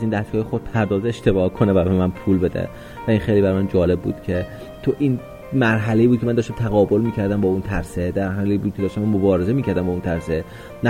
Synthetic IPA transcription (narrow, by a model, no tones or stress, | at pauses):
æzind̪æskɒːjexod̪̥̚pʰæɾd̪ɒːzeeʃt̪e̞bɒːhkʰonevæbemænpʰuːlbe̞d̪ḛ | væiːnxejliːbæɾmænd͡ʒɒːle̞b̚ːṵːd̪̥cʰe̞ | t̪ʰoʔiːn | mæɾɦæleiːbud̪̚cʰeænd̪ɒːʃt̪æmt̪ʰæɣɒːbo̞lmiːcʰæɾd̪æmbɒːunt̪ʰæɾsed̪æɾɦæliːbuːd̪̚kʰeɒːʃt̪æmænmobɒːɾezemiːcʰæɾd̪æmbɒːunt̪ʰæɾse | næ